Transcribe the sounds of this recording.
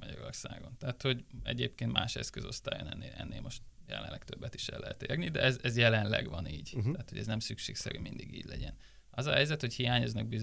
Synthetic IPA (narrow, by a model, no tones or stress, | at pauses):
mɒɟɒɾo̞rsaːɡo̞nt̪ɛat̪ho̞ɟɛɟeːpkeːnt̪maːʃɛskøzo̞st̪aːjonɛnːeɛnːeːlmo̞ʃt̪jɛlɛ̰nlːɛkt̪øbːɛt̪i̥ʃɛ̰lːɛɦɛt̪eːrnid̪ɛɛzɛzjɛlɛnlɛɡvɒniːɟt̪æːt̪hoɟɛznɛmsykʃeːksɛɾymind̪iɡiːɟlɛɟɛn | ɒzɒɦɛjzɛt̪ho̞chijaːɲoznɒɡbiz